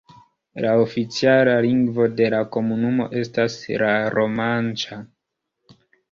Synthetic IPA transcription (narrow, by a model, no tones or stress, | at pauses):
lao̞fit͡sialaliŋɡvo̞de̞lako̞munumo̞̰ʔe̞staslaɾo̞mant͡ʃa